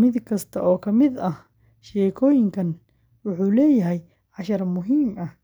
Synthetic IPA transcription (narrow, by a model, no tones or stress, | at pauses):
mɪd̪kʰɐst̪ʰɐʔɔːkʰɐmɪd̪ɐh | ʃɛːkʰɔːjɪŋkʰɐn | wʊħuːlɛːjɐɦɛj | ʕɑʃɐrmʊɦiːmɐh